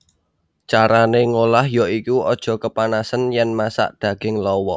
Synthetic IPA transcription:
t͡ʃaɾaneŋolahjɔikuɔd̥ʒ̥ɔ̤kəpanasənjɛnmasa̰ʔd̪̥ä̤ɡ̥ɪŋlɔwɔ

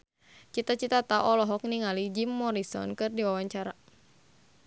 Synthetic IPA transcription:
t͡ʃit̪at͡ʃit̪at̪aʔɔlɔɦɔk̚niŋalid͡ʒimːɔɾisɔ̰nkɨrdiwawaɲt͡ʃaɾa

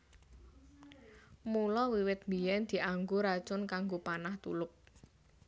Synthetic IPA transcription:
mulɔwiwɪt̪̚mijɛnd̪̥i̤ʔaŋɡoɾḁt͡ʃʊnkaŋɡopanaht̪ṵlʊp̚

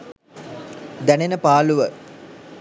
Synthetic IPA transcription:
d̪ænenəpaːluʋə

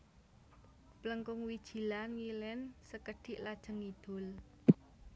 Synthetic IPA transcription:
pləŋkʊŋwid̥ʒ̥i̤lanŋilɪnsəkəɖ̥ɪʔlad̥ʒ̥ə̤ŋid̪̥ʊ̤l

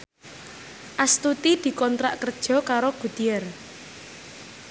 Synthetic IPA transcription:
ʔast̪ut̪id̪̥i̤kɔnt̪ɾa̰ʔkərd̥ʒ̥ɔ̤kaɾoɡ̥ud̪̥iər

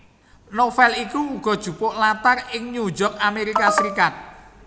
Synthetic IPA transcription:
nofɛlikuːɡ̥ɔ̤d̥ʒ̥ṳpʊʔlat̪arɪŋɲud͡ʒɔk̚ameɾikasəɾikat̪̚

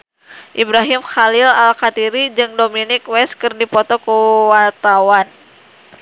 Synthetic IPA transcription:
ʔibɾaɦimxalilalkat̪iɾid͡ʒɨŋdominikwɛskɨrdipɔt̪ɔkuwart̪awan

